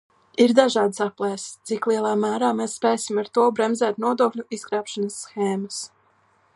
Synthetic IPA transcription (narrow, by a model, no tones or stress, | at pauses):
iɾd̪aʒɑːd̪saplˠɛjst̪siklˠiɛlˠɑːmæːɾaːmesːpeːsʲimaɾt̪uɔbɾɛmzæːt̪nuɔd̪uɔklʲuiskɾaːpʃanasːxeːmas